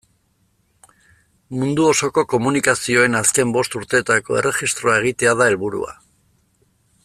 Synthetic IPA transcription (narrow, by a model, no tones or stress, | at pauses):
mund̪uo̞so̞ko̞ko̞munikasio̞e̞naske̞mbo̞st̪uɾt̪e̞ːt̪ako̞e̞̰re̞xist̪ɾo̞ae̞ɣ̞it̪e̞aðae̞lβuɾṵa̰